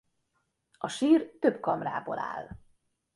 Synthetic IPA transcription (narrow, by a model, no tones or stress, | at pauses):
ɒʃiːrt̪øbkɒmra̰ːboːlʔa̰ːl